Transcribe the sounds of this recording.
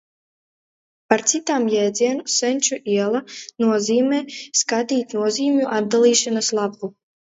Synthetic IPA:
paɾt̪sit̪aːmjɛːd̪ziɛnusɛnʲt͡ʃuʔiɛlˠanuɔziːmɛːskat̪ʲiːt̪nuɔziːmʲuʔad̪̚d̪alˠiːʃanaslˠabu

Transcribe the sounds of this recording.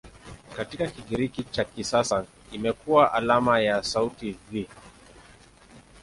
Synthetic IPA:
katikakiɠiɾikit͡ʃakisasa | imɛkuwaʔalamajasautivi

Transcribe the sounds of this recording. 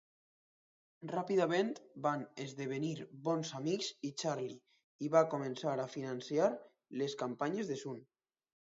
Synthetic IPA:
rapiðamẽnt̪banezðeβ̞eniɾβɔnzamikzit͡ʃaɾli | iβakomensaɾafinansjaɾ | leskampaɲezðesun

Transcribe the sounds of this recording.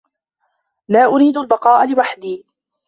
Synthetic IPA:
laːʔʊɾiːd̪albɑqɑːʔalɪwaħd̪iː

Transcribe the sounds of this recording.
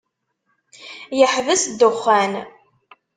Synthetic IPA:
jəħvəsd̪ʊχːæn

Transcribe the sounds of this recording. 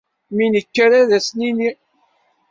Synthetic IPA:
minəkːəɾaðæsnini

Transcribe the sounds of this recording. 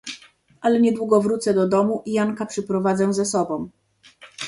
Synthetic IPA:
ʔalɛɲɛd̪wuɡɔvɾut̪sɛd̪ɔd̪ɔmuʔijaŋkapʂɛpɾɔvad̪zɛzɛsɔbɔ̃w̃

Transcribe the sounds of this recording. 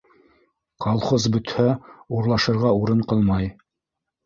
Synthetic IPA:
qolˠχozbɵ̆t̪hæuɾlˠɑʃɤ̆ɾʁɑuɾɤɴqɤlˠmɑj

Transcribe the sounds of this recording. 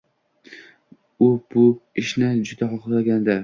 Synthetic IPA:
ʊb̥ʊɪʃnɪd͡ʒʊd̪aχɒχlaɡʲand̪ɪ

